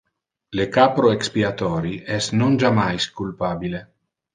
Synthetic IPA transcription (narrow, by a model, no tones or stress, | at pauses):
lekapɾoekspiat̪ɔːɾiʔɛsnond͡ʒamajskulpaːbile